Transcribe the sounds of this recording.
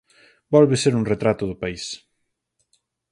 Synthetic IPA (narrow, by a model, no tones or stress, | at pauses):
bɔlβeseɾuŋret̪ɾat̪ʊðʊpais